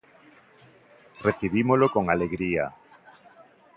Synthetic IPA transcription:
reθiβimolokoŋaleɣɾia̰

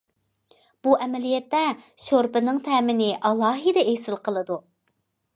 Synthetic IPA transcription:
b̥uʔɛmɛlijɛt̪ːɛʃoɾpɪnɪŋt̪ʰɛːmɪnɪʔɑlˠɑːɦid̪ɛejsɨlˠqʰəlˠɨd̪u

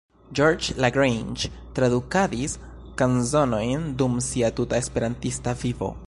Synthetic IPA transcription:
d͡ʒoɾd͡ʒlaɡɾejnd͡ʒ | tɾadukadis | kanzo̞no̞jndumsiatutae̞spe̞ɾantistavivo̞̰

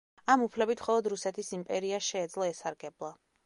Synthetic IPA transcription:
amupʰlɛbit̪ʰmχɔlˠɔd̪ɾusɛt̪ʰisimpʼɛɾiaʃɛːd̪zlˠɔɛsaɾɡɛblˠa

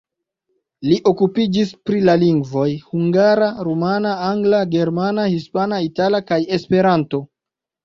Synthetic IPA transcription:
liʔo̞kupid͡ʒispɾilaliŋɡvo̞jhuŋɡaɾaɾomanaaŋɡlaɡe̞ɾmanahispanaitalakaje̞spe̞ɾanto̞

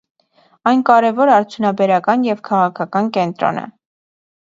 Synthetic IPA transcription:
ɑjnkɑɾɛvɔɾɑɾt͡sʰjunɑbɛɾɑkɑnjɛvkʰɑʁɑkʰɑkɑnkɛnt̪ɾɔ̰nə̰

